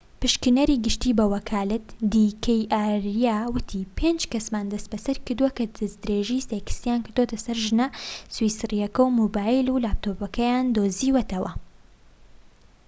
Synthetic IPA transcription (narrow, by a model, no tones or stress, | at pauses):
pɨʃkɨnɐɾiːɡɨʃt̪iːbɐwɐkʰaːlɨt̪d̪ikʰɐjʔaːɾijaːwɨt̪ʰiːpʰeːnd͡ʒkɐsmaːnd̪ɐst̪̚bɐsɐɾkɨɾd̪uwɐkɐd̪ɐzd̪ɾeʒijsekɨ̥st̪ijaːnkɨɾd̪ot̪ɐsɐɾʒɨnɐswisrijɐkɐwmobaːilulaːp̚t̪opɐkʰɐjaːnd̪oːziːwɐt̪ʰɐwɐ̰